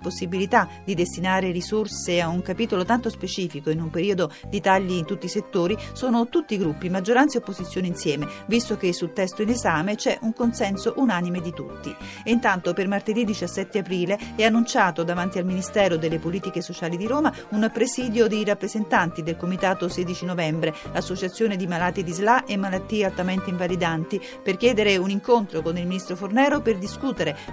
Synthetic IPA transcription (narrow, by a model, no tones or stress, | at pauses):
posːibilit̪ad̪id̪est̪inaːɾerisorseauŋkapiːt̪olot̪ant̪ospet͡ʃiːfikoinumpeɾiːod̪od̪it̪aʎːiːnt̪ut̪ːiːset̪ːoːɾisoːnot̪ut̪ːiɡɾupːimad͡ʒːoɾant̪seopːozit̪sːjoːneinsjɛːmevist̪ok̟esːult̪ɛst̪oinezaːmet͡ʃɛʔuŋkonsɛnsoʔunaːnimed̪it̪ṵt̪ːi | int̪ant̪opermart̪ed̪id̪it͡ʃasːɛt̪ːeapɾiːleɛanːunt͡ʃaːt̪od̪avant̪ialminist̪ɛːɾod̪elːepoliːt̪ikesot͡ʃaːlid̪iɾoːma | unpɾesiːd̪jod̪iɾapːɾezent̪ant̪id̪elkomit̪aːt̪oseːd̪it͡ʃinovɛmbɾeasːot͡ʃat̪sːjoːned̪imalaːt̪id̪izlaʔemːalat̪ːiːealt̪ament̪eiɱvalid̪ant̪i | perkjɛːd̪eɾeuniŋkont̪ɾokonilminist̪ɾofornɛːɾoperd̪iskuːt̪eɾe